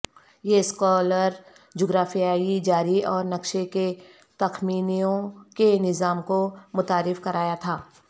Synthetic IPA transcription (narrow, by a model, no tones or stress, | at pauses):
jeskɔːləɾ | d͡ʒoːɡɾaːfijaːid͡ʒaːɾiɔːɾnɐkʃeke | t̪ɐxmiːnijõkenɪzaːmkomʊt̪aːɾɪfkɐɾaːjat̪ʰaː